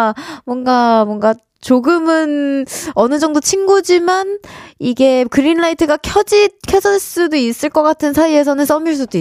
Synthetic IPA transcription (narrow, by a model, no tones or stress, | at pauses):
mwʌnɡamwʌnɡa | t͡ɕoɡɯmɯnʌnɯd͡ʑʌŋdot͡ɕʰiŋɡud͡ʑimaniɡe̞kɯɾinɭaitʰɯɡakʰjʌd͡ʑikʰʌsʰʌns͈udois͈ɯɭk͈ʌk͈atʰɯnsʰaie̞sʰʌnɯns͈ʌmiɭs̬͈udoi